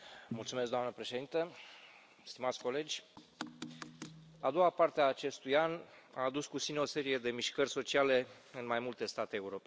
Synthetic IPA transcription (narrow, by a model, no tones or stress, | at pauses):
mult̪sumesk̚d̪oamnəpɾe̞ʃe̞d̪int̪ə | st̪imat̪sʲko̞le̞d͡ʒʲ | ad̪o̞apart̪eaːt͡ʃe̞st̪ujan | aːd̪uskut̪sineo̞se̞ɾije̞d̪e̞miʃkərʲso̞t͡ʃiale̞ | ɨnmajmult̪e̞st̪at̪eːuɾo̞p